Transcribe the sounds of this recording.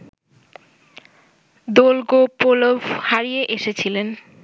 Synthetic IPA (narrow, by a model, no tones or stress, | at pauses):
d̪olɡopolobhaɾijeʔeʃet͡ɕʰilen